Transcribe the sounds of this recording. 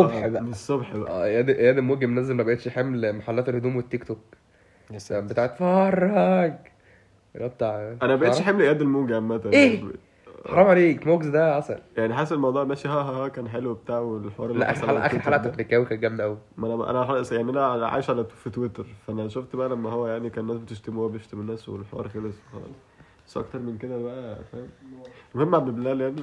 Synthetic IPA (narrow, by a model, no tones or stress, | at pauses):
sˤobħbæʔmesˤobħbæʔʔæ̰ːʔejæːd̪ʔejæːd̪emuːɡæmnæzelmæbæʔet̪ʃħemlmaħalːæːt̪elhod̪uːmwet̪ːekt̪ok | bet̪aːʕet̪fɑrˤːɑɡ | læbt̪ːaʕlʔænæmbæʔeˤħemlʔejæːd̪elmoːɡæmːæt̪æeː | ħɑɾˤɑmʕaleːkmoɡzd̪æʔɑsˤɑljaʕniħaːsæelmɑwd̪ˤuːʕmæːʃihæːɦæhækæːnħelwebet̪aːʕwelħewɑːɾˤelːæʔæaʔʔæxeɾħalʔæt̪æmekːæwikænɡæmd̪ʔæwimænæʔæ̰næħɑlːsjaʕniʔænæʕalʕa̰jeʃʕalæt̪ufit̪wet̪eɾfæʔænæʃoft̪bæʔælæmːæhowːæjaʕnikæːnenːæːsbet̪eʃt̪emoæbeeʃt̪emenːæːswḛlħewɑ̰ɾˤxæleswxɑ̰lɑ̰sˤ | sʔɑ̰kt̪ɑɾˤmenked̪æbæʔæfæmmohemːʕabeblæːljaʕni